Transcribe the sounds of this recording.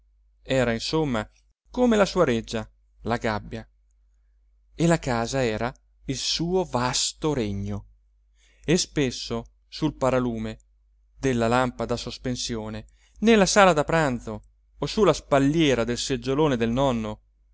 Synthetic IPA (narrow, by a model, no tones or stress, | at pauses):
ɛːɾainsomːa | komelasuːaɾed͡ʒːa | laɡabːja | elakaːzaɛːɾa | ilsuːovast̪oɾeɲːo | espesːo | sulpaɾaluːme | d̪elːalampad̪asospensjoːne | nelːasaːlad̪apɾant̪so | osulaspaʎːɛːɾad̪elsed͡ʒːoloːned̪elnɔnːo